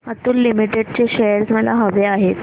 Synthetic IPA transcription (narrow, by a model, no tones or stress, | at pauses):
ət̪uːlːimiʈeɖ̚t͡ɕeɕejəɾsməla̰ɦəʋeaɦet̪